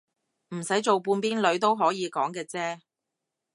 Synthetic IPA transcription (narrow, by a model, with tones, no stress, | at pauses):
m̩˨˩sɐ˨˥jt͡so˨wpuː˧npiː˥nlɵ˨˧ɥt̪o˥wɦɔː˨˥jiː˨˧kɔː˨˥ŋkɛː˧t͡sɛː˥